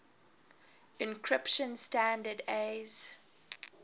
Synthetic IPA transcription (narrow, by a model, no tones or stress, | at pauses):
ɪ̃nkʰɹɪpʃə̃nstãndədez̥